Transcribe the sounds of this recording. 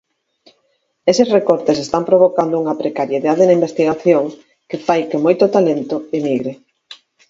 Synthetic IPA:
esesrekoɾt̪esest̪ampɾoβ̞okand̪ouŋɐpɾekaɾjeðaðenɐimbest̪iɣaθjoŋ | kɪfajkemojt̪ʊt̪alent̪ʊemiɣɾe

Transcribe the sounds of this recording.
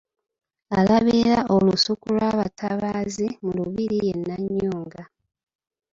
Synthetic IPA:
alaβiɾaʔolusukulwaːβatʰaβaːzimuluβiɾije̞nːaɲːuːŋɡa

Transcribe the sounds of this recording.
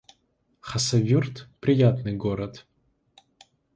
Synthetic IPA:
χɐsɐvʲurt̪pɾʲɪjat̪nɨjɡoɾɐt̪

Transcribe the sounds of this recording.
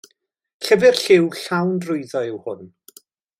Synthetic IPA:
ɬəvɪrɬɪwɬawndrʊɨðɔɪwhʊn

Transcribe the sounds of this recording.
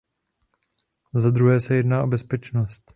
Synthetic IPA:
zad̪ɾuɦɛːsɛjɛdnaːʔo̞bɛspɛt͡ʃnost̪

